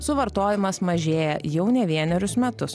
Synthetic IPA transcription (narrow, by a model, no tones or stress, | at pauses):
sʊʋɐɾt̪oːjɪmɐsmɐʒʲeːjɛjɛʊnʲɛʋʲiɛnʲɛɾʲʊsmʲɛt̪ʊs